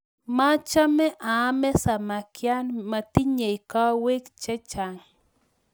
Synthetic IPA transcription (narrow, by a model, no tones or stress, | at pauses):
mat͡ʃameʔamesamakjanmat̪ɪɲajkawekt͡ʃet͡ʃaŋ